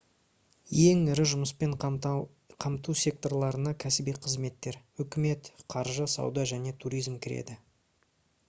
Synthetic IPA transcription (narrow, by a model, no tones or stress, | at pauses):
je̞ŋɪɾɪʒʊməs̬pe̞ɴ | qʰɑmt̪usʲe̞k̚t̪o̞rlˠɑɾənɑkʲʰæsɪbijqʰəzme̞t̪ːe̞ɾ | ʏkʲɪme̞t̪qʰɑɾʒəsɑ̰wd̪ɑʒæne̞t̪ʰuɾijzmkʲʰɪɾḛd̪ɪ